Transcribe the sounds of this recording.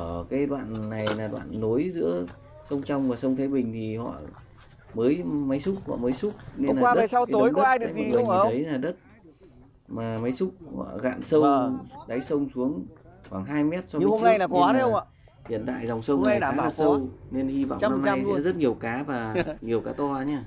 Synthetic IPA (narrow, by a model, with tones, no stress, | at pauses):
əː˧˩kaː˨˦jɗwa̰ː˧˨nːa˨˩jlaː˨˩ɗwa̰ː˧˨nːo˨˦jzɨ̰˧˥ə | sə˧wŋ͡mt͡ɕa˧wŋ͡mvaː˨˩sə˧wŋ͡mt̪ʰe˨˦jɓï˨˩ŋ̟t̪ʰi˨˩hɔ̰˧˨ | məː˨˦jma˨˦jsʊ˦˥k͡p̚hɔ̰˧˨məː˨˦jsʊ˦˥k͡p̚ne˧nlaː˨a˧ɗe˨˩a˧wk̪o˨˦jkɔ˨˦ʔaː˧jɗɨ˨˩˨k̚ːi˨i˨ŋ˧ə˨˦jlaː˨˩ɗə˦˥t̚ | maː˨˩mə˨˦jsʊ˦˥k͡p̚hɔ̰˧˨ɣa̰ː˧˨nsə˧wɗa˨˦jsə˧wŋ͡msu˨˦əŋxwaː˧˩ŋɦaː˧jmɛ˦˥t̚sɔ˧ɲɨ˧˦ho˧˦˧mna˧˦jna˨˩kwa˧˨˦ə˧˨w | hḭ˧˨ənt̪a̰ː˧˨jza˨˩wŋ͡msə˧wna˧˩jaː˨˦laː˨˩sə˧wne˧nhi˧va̰˧˨˦mna˧mn˧jsɛ̰˧˥zə˦˥t̚ɲi˨˩əwkaː˨˦vaː˨˩ɲi˨˩əwkaː˨˦t̪wa˧ɲaː˧